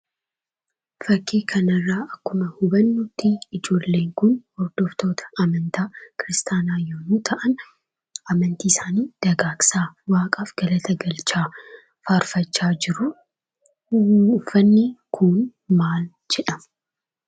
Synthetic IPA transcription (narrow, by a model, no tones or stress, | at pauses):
fɐkːiːkʰɐnɐrːaːʔɐkːʊmɐhʊbɐnːut̪ːiɪd͡ʒo̞ːlːe̞ːŋkʊnhɔɾd̪̥ɔft̪o̞ːt̪ʰɐ̥ɐmɐnt̪aːkɪɾɪst̪aːnaːjonuːt̪ʰɐʔɐn | ɐmɐnt̪iːɪsaːniːd̪̥ɐɡaːksaːwaːkʼaːfɡ̥ɐlɐt̪ʰɐɡɐlt͡ʃaː | faːɾfɐt͡ʃːaːd͡ʒɪɾʊ | fɐnːikʰʊnmaːl | d͡ʒɛᶑɐmɐ